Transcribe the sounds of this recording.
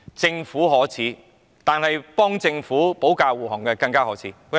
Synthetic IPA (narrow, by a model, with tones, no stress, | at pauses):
t͡sɪ˧ŋfuː˨˥ɦɔː˨˥t͡sʰiː˨˥ | t̪aː˨nhɐ˨jpɔː˥ŋt͡sɪ˧ŋfuː˨˥po˨˥wkaː˧wwuː˨˩hɔ˨˩ŋkɛː˧kɐ˧ŋkaː˥ɦɔː˨˥t͡sʰiː˨˦˥